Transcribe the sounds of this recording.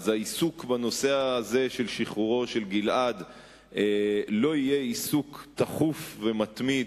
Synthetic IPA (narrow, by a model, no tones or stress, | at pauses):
zaisukbano̞seaːze̞ʃe̞lʃiχuʁo̞ʃe̞lɡilʔad̪ | elo̞ijeisukt̪aχufve̞mat̪mid